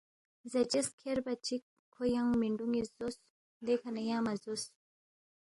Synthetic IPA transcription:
zɐd͡ʒeskʰeɾbɐt͡ʃikʰːojaŋmiɳɖuŋizos | d̪ekʰanɐjaːmɐzos

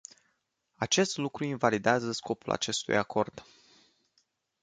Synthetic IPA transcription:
at͡ʃe̞st̪lukɾuinvalid̪eazəsko̞pula̰t͡ʃe̞st̪ṵjako̞rd̪̥

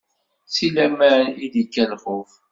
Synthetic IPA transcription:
t͡sːilæmæiðikːælχʊf

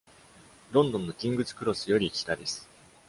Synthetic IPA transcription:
ɾõ̞nd̪õnːo̞kʲĩŋɡɯ̟t͡sɨ̥kɯ̟ɾo̞sɨjo̞ɾʲikʲi̥t̪ad̪e̞sɨ̥

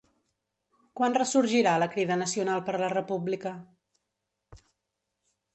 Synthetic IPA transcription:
kwanrəsuɾʒiɾaləkɾiðənəsiunalˠpəɾlərəpublikə

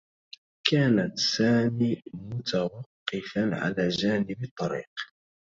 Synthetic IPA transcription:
kaːnat̪saːmiːmʊt̪awɑqːɪfanʕa̰laːd͡ʒaːnɪbɑt̪ˤːɑɾḭːq

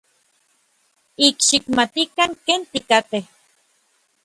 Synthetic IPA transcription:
ikʃikmat̪ikaŋkeːnt̪ikat̪eh

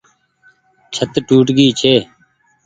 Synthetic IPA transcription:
t͡ʃʰət̪ʈuːʈɡiːt͡ʃʰeː

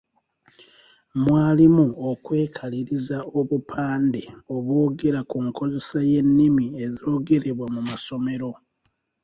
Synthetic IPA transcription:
mwaːlimuokwe̞ːkʰaliɾizao̞βupʰaːndeo̞βwo̞ːɡe̞ɾakuŋkʰo̞ze̞saje̞nːimiezio̞ːɡe̞ɾe̞βwamumaso̞me̞ɾo̞

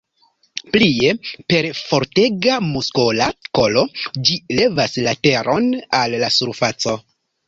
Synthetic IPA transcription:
plie̞pe̞ɾfo̞ɾte̞ɡamuskolako̞lo̞d͡ʒile̞vaslate̞ɾʔo̞nalːasuɾfat͡so̞

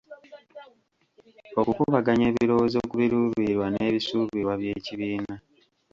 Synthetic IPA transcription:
o̞kukuβaɡaɲe̞ːβiɾo̞wozo̞ːkuβiɾuːβiɾwane̞ːβisuːβiɾwaβje̞ːciβiːna

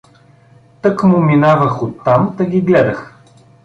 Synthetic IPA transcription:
t̪ɤkmʊminavɐxot̪ːamt̪ɐɡʲiɡlɛd̪ɐx

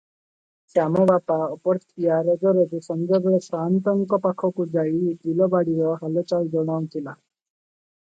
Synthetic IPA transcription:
t͡ʃamɔbapaɔpɔɾt̪ʰijaɾɔd͡ʒɔɾed͡ʒusɔnd͡ʒɔbeɭɔsɾant̪ɔŋkɔpakʰɔkud͡ʒait̪ilɔbaɽiɾɔɦalɔt͡ʃald͡ʒɔɽ̃aw̃t̪ʰila

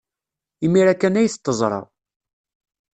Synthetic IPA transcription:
imːiɾækːænæjəθt̪ˤːəzˤɾˤɑ̰

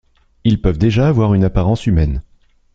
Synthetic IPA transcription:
ilpœvd̪eʒaːvwaʁynapaʁɑ̃symɛn

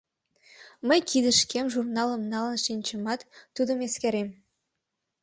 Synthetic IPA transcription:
mə̆jkʰid̪ə̆ʃkʲemʒurnɑlˠə̆mnɑlˠənʃinʲt͡ɕəmɑt̪ːud̪ə̆meskʲeɾem

